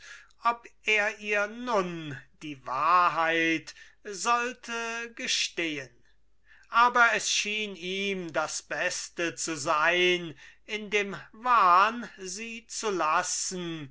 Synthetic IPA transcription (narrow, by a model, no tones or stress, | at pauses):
ʔɔpʔeːɐʔiːɐnʊnd̥iːvaːɐɦaɪtzɔltʰəɡəʃteːən | ʔaːbɐɛsʃiːniːmdasb̥ɛstət͡suzaɪnɪndeːmvaːnziːt͡sulasn̩